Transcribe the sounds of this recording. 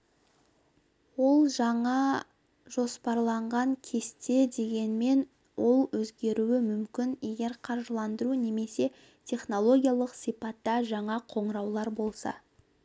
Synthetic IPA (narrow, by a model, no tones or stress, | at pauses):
wo̞lˠʒɑɴɑ | ʒo̞spɑɾlˠɑɴʁɑŋkʲʰe̞st̪e̞d̪e̞ɡʲe̞nme̞n | wo̞lˠwɵzɡʲe̞ɾuɪmʏmkʲɪnje̞ɡʲe̞ɾqʰɑɾʒəlˠɑnd̪əɾune̞me̞se̞ | t̪ʲʰe̞χno̞lˠo̞ɡʲijɑlˠəqsijpɑt̪ːɑʒɑɴɑqʰo̞ɴɾɑwlˠɑɾbo̞lˠsɑ̰